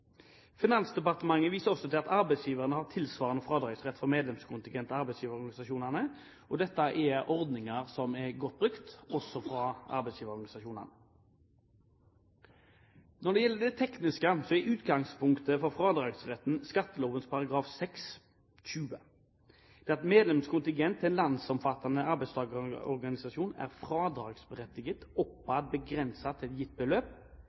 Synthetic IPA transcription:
fɪnɑnsd̪ɛpɑʁt̪əmɑŋːəʋiːsəɔsːɔt̪ʰɪlɑt̪ɑɾbæɪsjiːʋəʁənəhɑʁt̪ʰɪlsʋɑːʁənəfɾɑːd̪ɾɑːɡsʁɛt̪ːfɔɾmeːd̪lɛmskʰʊnt̪ɪŋɡɛnt̪ɑɾbɛɪsjiːʋəɾɔʁɡɑnɪsɑʃuːnənə | ʔɔd̪ɛt̪ːɑʔɛɾɔʁd̪nɪŋɑʁsɔmɛɡɔt̪̚ːbɾʉkt̪ɔsɔfɾɑɑ̰ɾbɛɪsjiːʋəɾɔɾɡɑnɪsɑʃuːnɑ̰nə | nɔd̪ɛjɛlːəd̪ɛt̪ʰɛknɪskəsɔɛʔʉːt̪ɡɑŋspʊŋkt̪əfɔɾfɾɑːd̪ɾɑːɡsʁɛt̪n̩skɑt̪ːəloːʋənspʰɑɾɑɡɾɑːfsɛks | ʃʉːə | d̪̥ɛːɑt̪meːd̪lɛmskʰʊnt̪ɪŋɡɛnt̪ʰːɪɛːnlɑnsɔmfɑt̪ːɑnəɑɾbæɪst̪ʰɑːɡɔ̰ɾɡɑnɪsɑsuːnæ̰ʁfɾɑːd̪ɾɑ̰ːɡsbəɾɛt̪ːɪɡət̪ɔpːɑd̪̚bəɡɾɛnsɑt̪ʰɪlɛt̪jɪt̪̚bəløːp̚

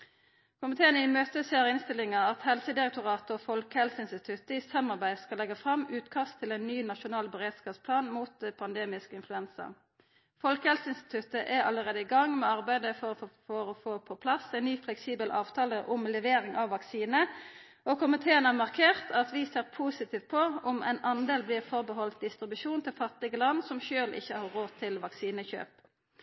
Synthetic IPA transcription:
kʰʊmɪt̪ʰeːənəɪmøːt̪əseːʁɪnst̪ɪlɪŋəɑt̪hɛlsəd̪ɪʁɛk̚t̪ʊʁɑːt̪əɔfɔlkəhɛlsəɪnst̪ɪt̪ʰʉt̪əiːsɑmɑʁbæɪskɑlɛɡɑfʁɑmːʉːt̪kʰɑst̪ʰːɪlɛnːyːnɑʃʊnɑːlbəʁeːd̪̥skɑːpspʰlɑːnmuːt̪pʰɑnd̪eːmɪskəɪnflʉɛnsɑ̰ | fɔlkəhɛlsəɪnst̪ɪ̥t̪ʰʉt̪əʔɛɑləʁeːd̪əɪɡɑŋmɛɑʁbæɪd̪əfɔʁfɔɾɔfoːpʰɔpʰlɑsɛɪnːyːflɛksiːbəlʔɑ̰ːʋt̪ʰɑːləʔʊmlɛʋeːɾɪŋʔɑʋʋɑksiːnə | ʔɔkʊmɪt̪ʰeːənəɑʁmɑʁkʰeːʁt̪ʰɑt̪ʋɪseːʁpʰuːsɪt̪ʰiːʋt̪̚pʰɔʊmɛ̰nɑnd̪eːlbliːʁfɔʁbəɦɔlt̪̚d̪ɪst̪ʁɪbʉʂuːnt̪ʰɪlfɑt̪ːɪɡəlɑnːsɔmʃøːlʔɪ̰çːəhɑːʁoːt̪ʰːɪlʋɑksiːnəçø̰ːp

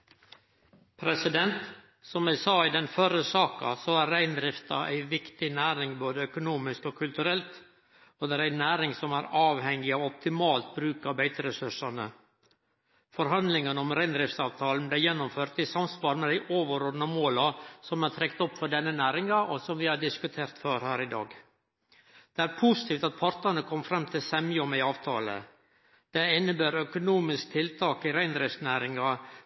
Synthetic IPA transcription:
pʰɾɛsɪd̪ɛnt̪ | sɔmæsɑːɪd̪ɛnfœɾəsɑːkɑ̰sɔæɾːæɪnd̪ɾɪft̪ʰɑ̰ʔæ̰ɪʋɪkt̪ɪnæːɾɪŋboːd̪əœkʊnuːmɪskɔkʰʉlt̪ʉɾɛlt̪ | ɔd̪ɛæɾæɪnæːɾɪŋsɔmæɾɑːʋɦɛŋːɪɑɔp̚t̪ʰɪmɑːlt̪̚bɾʉːkɑʋbæɪt̪əɾɛsɵʂɑnə̰ | fɔɾɦɑnd̪lɪŋənɔmɾæɪnd̪ɾɪfsɑːʋt̪ʰɑːln̩blæjɛnːɔmføːɾt̪ɪsɑmsʋɑːɾmɛd̪æɪʔoːʋəɾɔːd̪nəmoːlɑsɔmæt̪ʰɾɛkt̪ɔpːfɔɖɛnːənæːɾɪŋɑʔɔsɔmʋɪhɑɖɪskʉt̪ʰeːɾt̪føːɾhæːɾɪd̪ɑ̰ːɡ | d̪̥ɛæɾpʰʊsɪ̥t̪ʰiːft̪ɑt̪̚pʰɑɾt̪əɳəkʰɔmfɾɑmːt̪ʰɪlsɛmjɔmɪɑːʋt̪ʰɑːlə̰ | d̪̥ɛɪnːəbæːɾœkʊnuːmɪskt̪ʰɪlt̪ʰɑːkɪɾæɪnd̪ɾɪfsnæːɾɪŋɑ

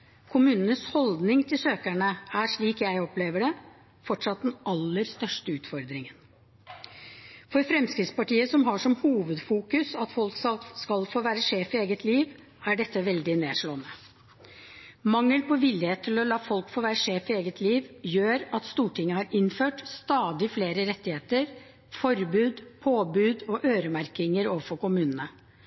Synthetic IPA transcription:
kʰʊmʉːnənəshɔld̪nɪŋt̪ʰɪlsøːkæɳəæʂɭiːkjæɪɔpleːʋəɖɛ | fɔʈʂɑt̪̚d̪ɛnʔɑlːəɾst̪œʂʈəʉːt̪fɔɾd̪ɾɪŋən | fɔɾfɾɛmskɾɪt̪spɑʈiːəsɔmɦɑʂɔmhuːʋəd̪fuːkʉsɑt̪fɔlksɑlskɑlfoːʋæːɾəʂeːfɪeːɡət̪ʰliːʋ | æɖɛt̪ːəʋɛld̪ɪneːʂɭoːənə | mɑŋːəlpɔʋɪlːɪheːt̪t̪ʰːɪlɔlɑːfɔlkfoːʋæːɾəʂeːfɪeːɡət̪ʰliːʋjøːɾɑt̪st̪uːʈɪŋːəhɑɾɪnføːʈst̪ɑːd̪ɪfleːɾəɾɛt̪ːɪheːt̪əɾ | fɔɾbʉːd̪pʰoːbʉːd̪ɔʔøːɾəmæɾkɪŋəɾoːʋəfɔɾkʊmʉːnənə

